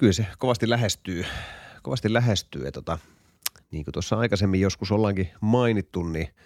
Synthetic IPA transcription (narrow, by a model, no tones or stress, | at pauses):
kylsekoʋɑst̪ilæɦest̪yːkoʋɑst̪illæɦest̪y̰ːḛt̪ot̪ɑ | niːŋkøt̪uosːɑɑikɑsemːijjoskusolːɑŋkimɑinit̪ːunni